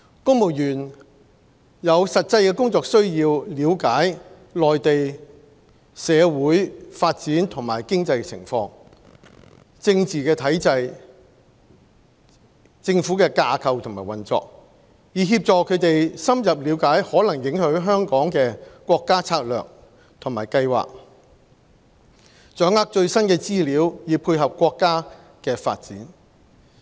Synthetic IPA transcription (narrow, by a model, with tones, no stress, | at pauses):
kʊ˥ŋmo˨˩wjyː˨˩n | jɐ˨˧wsɐ˨t̚t͡sɐ˧jkɛː˧kʊ˥ŋt͡sɔː˧k̚sɵ˥ɥjiː˧wliː˨˧wkaː˨˥j | lɔː˨jt̪e˨j | sɛː˨˧wuː˨˥jfaː˧t̚t͡siː˨˥nt̪ʰʊ˨˩ŋmaː˨˩jkɪ˥ŋt͡sɐ˧jt͡sʰɪ̰˨˩ŋfɔː˧˥ŋ | t͡sɪ˧ŋt͡siː˨˩kɛː˧t̪ʰɐ˨˥jt͡sɐ˧j | t͡sɪ˧ŋfuː˨˥kɛː˧kaː˧kʰɐ˧wt̪ʰʊ˨˩ŋmaː˨˩jwɐ˨nt͡sɔ̰ː˧k̚ | jiː˨˧ɦiː˧p̚t͡sɔː˨˧kʰɵ˨˧t̪e˨jsɐ˥mjɐ˨p̚liː˨˧wkaː˨˥jhɔː˨˥lɐ˨˩ŋjɪ˨˥ŋhɵ˨˥ɥɦœː˥ŋkɔː˨˥ŋkɛː˧kʷɔː˧kːaː˥t͡sʰaː˧k̚lœ̰ː˨k̚ | t̪ʰʊ˨˩maː˨˩jkɐ˧jwa̰ː˨k̚ | t͡ʃœː˨˥ŋaː˨˥k̚t͡ʃɵ˧ɥsɐ˥nkɛː˧t͡siː˥liː˨˧˥wjiː˨˧pʰuː˧jɦɐ˨p̚kːʷɔː˧kːaː˥ | kɛː˧fa̰ː˧t̚t͡siː˨˥n